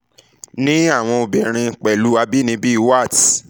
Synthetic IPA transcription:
nĩ˦a˦˨w̃ɔ̃˧o˨bɛ˨ɾ̃ĩ˧k͡pɛ˨lu˨˦a˧bi˦nĩ˧˦bi˦i˦˧wa˦˨t

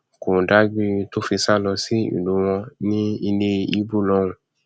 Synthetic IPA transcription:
ku˨da˦ɡ͡bi˧tu˦fi˧sa˦lɔ˧si˦ḭ˨lu˨˧wɔ̃˧nĩ˦i˧ne˧i˦bu˦˨lɔ˦ŋũ˨

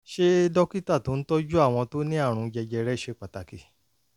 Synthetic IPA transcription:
ʃe˦dɔ˦ki˦ta˦˨to˨˦n̩˦tɔ˦d͡ʒu˦a˦˨w̃ɔ̃˧to˦nĩ˦a˦˨ɾ̃ũ˧d͡ʒɛ˧d͡ʒɛ˧ɾɛ˦˨ʃe˧˨k͡pa˨ta˨ki˨

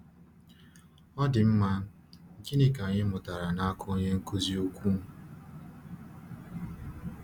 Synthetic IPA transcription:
ɔ˦dɪ˨m̩˦ma˦ | ŋ̩˨ki˦nɪ˦ka˨ɲɪ˦mʊ˨ta˨ɾa˨na˦a˦kʰʊ˦o˦ɲe˦ŋ̩˦ko˦zi˦o˦kʷu˦

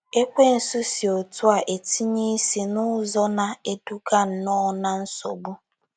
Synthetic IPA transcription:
e˦kʷe˦n̩˨su˦si˨o˨tʊ˦a˨ʔe˨ti˦ɲi˦si˦nʊ˦zɔ˦na˨e˦du˦ka˦n̩˨˦nɔ˦na˦n̩˦so̰˨bu˦

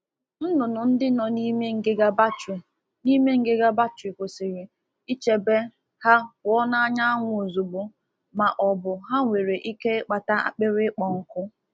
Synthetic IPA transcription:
n̩˦nʊ˨nʊ˨n̩˦dɪ˦nɔ˨ni˦me˦ŋ̩˦ɡe˦ɡa˦ba˦t͡ʃ | ni˦me˦ŋ̩˦ɡe˦ɡa˦ba˦t͡ʃi˨kʷʊ˨sɪ˨ɾɪ˨ | i˦t͡ʃe˨be˦ | ha˦wɔ˦na˦a˦ɲa˦a˦ŋʷʊ˦o˨zu˨ɡ͡bʊ˦ | ma˨ʔɔ˨bʊ˨ɦa˦ŋʷe˨ɾe˨ʔi˦ke˦k͡pa˨ta˦a̰˨k͡pɪ˦ɾɪ˦k͡pɔ˨ŋ̩˦kʊ˦

